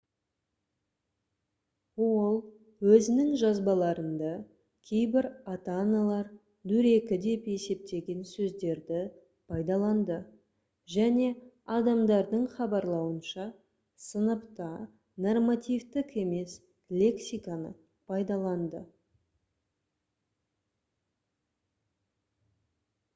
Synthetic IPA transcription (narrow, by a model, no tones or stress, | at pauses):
olˠ | wɵzɪnɪŋʒɑzbɑlˠɑɾənd̪ɑ | kʲʰe̞jbɪɾat̪analˠɑɾ | d̪ɵɾe̞kʲɪd̪e̞pe̞se̞p̚t̪e̞ɡʲe̞nsɵzd̪e̞ɾd̪ɪ | pʰɑjd̪ɑlˠɑnd̪ə | ʒæne̞ | ɑd̪ɑmd̪ɑɾd̪əɴχɑbɑɾlˠɑwənʃɑ | sənəpt̪ɑ | no̞rmat̪ijvt̪ɪke̞me̞s | lʲe̞ksʲijkanə̰ | pʰɑjd̪ɑlˠɑnd̪ə